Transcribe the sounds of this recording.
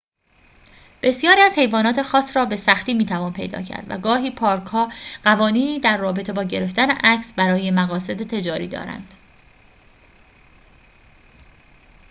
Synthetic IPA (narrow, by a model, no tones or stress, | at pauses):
b̥e̞sjɒːɾiːæz̥he̞jvɒːnɒːt̪ʰe̞xɒːsrɒːbe̞sæxt̪iːmiːt̪ʰævɒːnpʰe̞jd̪ɒ̰ːcʰæ̰ɾd̪væ̰ɡɒːɦiːpʰɒːɾkʰhɒːɢ̥ævɒːniːniːd̪æɾːɒːbe̞t̪ʰe̞bɒːɟe̞ɾe̞ft̪æne̞ʔæcsbæɾɒːje̞mæɣɒːse̞d̪et̪ʰe̞d͡ʒɒːɾiːd̪ɒ̰ːɾæ̰nd̪̥